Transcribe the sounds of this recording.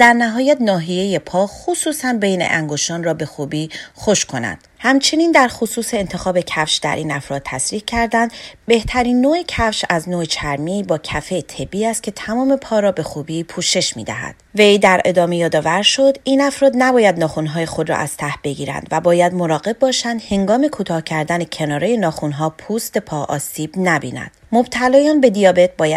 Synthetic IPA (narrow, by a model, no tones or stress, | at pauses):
d̪̥æɾnæɦɒːjæt̪nɒːɦije̞jepʰɒːxusuːsænbe̞jnḛʔæŋɡoʃɒːnrɒːbe̞xuːbiːxo̞ʃkʰo̞næ̰nd̪̥hæmt͡ʃʰe̞niːnd̪æɾxosuːse̞ːnt̪ʰe̞xɒːbe̞cʰæfʃd̪æ̰ɾʔiːnæfɾɒːdt̪ʰːæsɾiːhcʰæɾd̪ænd̪̥be̞ht̪ʰæɾiːnːoːecʰæfʃæznoet͡ʃʰæɾmibɒːcʰæfe̞t̪ʰe̞biːæst̪̚cʰe̞t̪ʰæmɒːme̞pʰɒːɾɒːbe̞xuːbiːpʰuːʃe̞ʃmḭːd̪æ̰ɦæ̰d̪̥ve̞jd̪æɾe̞d̪ɒːme̞jɒːd̪ɒːvæɾʃo̞d̪iːnæfɾɒːd̪næbɒːjæd̪nɒːxunɦɒːjexo̞d̪ɾɒ̰ʔæz̥t̪ʰæhb̥e̞ɟiːɾæ̰nd̪væbɒːjæd̪moɾɒːɣe̞b̚bːɒːʃænd̪he̞ŋɡɒːme̞kʰuːt̪ʰɒːhcʰæɾd̪ænecʰe̞nɒːɾeje̞nɒːxunɦɒːpʰust̪e̞pʰɒːʔɒ̰ːsiːb̥næbḭːnæ̰nd̪̥mo̞b̥t̪ʰælɒːjɒːnbe̞d̪ijɒːbe̞t̪̚bɒːjæ